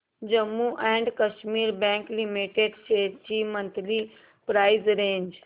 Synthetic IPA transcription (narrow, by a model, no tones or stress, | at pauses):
d͡ʒəmːuʔɛ̃ɳɖkəʃmiɾbɛ̃ŋklimiʈeɖset͡ʃimənt̪li | pɾajzɾẽnd͡ʒ